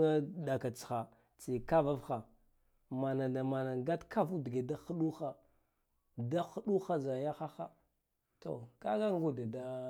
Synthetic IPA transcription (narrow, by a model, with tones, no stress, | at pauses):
a˦ɗa˨ka˨t͡sxa˨ | t͡si˨ka˦va˦vxa˨ | ma˨na˨da˨ma˨na˨ɡa˦tkʰa˦vu˦di˨ɡe˨da˦xu˦ɗu˦xa˨ | da˦xu˦ɗu˦xa˦za˨ja˦xa˦xa˦ | to̰˨ka˦ɡa˦ŋ˦ɡu˨da˨da˦